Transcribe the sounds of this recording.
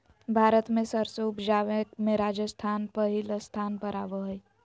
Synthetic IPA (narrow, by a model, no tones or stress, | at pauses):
bʱaːɾət̪mẽsəɾseʊpd͡ʒaːʋekmẽɾaːd͡ʒəst̪ʰaːnpəɦilst̪ʰaːnpəɾaːʋoɦəi